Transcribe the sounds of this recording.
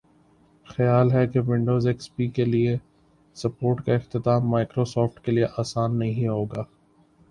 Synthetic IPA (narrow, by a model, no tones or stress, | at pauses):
xɐjaːlɦɛkeʋɪ̃ɳɖoːzeːkspiːkelie | sɐpoːɾʈkaɪxt̪ɪt̪aːmːaːkɾosɔːfʈkelieʔaːsaːnːɐɦɦĩɦoːɡaː